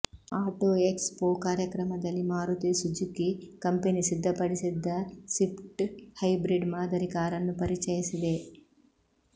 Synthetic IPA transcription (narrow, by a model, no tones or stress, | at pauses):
aːʈoːekspoːkaːɾjɐkɾɐmɐd̪ɐlːimaːɾut̪eːsud͡ʒukikɐmpenisid̪ʱːɐpɐɽisid̪ʱːɐsipʈhɐjbɾiɖmaːd̪ʱɐɾikaːɾɐnːupɐɾit͡ʃɐːjisid̪e